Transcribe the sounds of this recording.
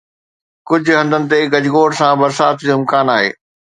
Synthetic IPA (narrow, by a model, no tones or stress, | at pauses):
kʊd͡ʑ̆ʱɦɐ̃nd̪ənɪ̆t̪eɡɐd͡ʑʱɡoːʈsãbɐɾsaːt̪ʰd͡ʑoːɪmkaːnaːɦḛː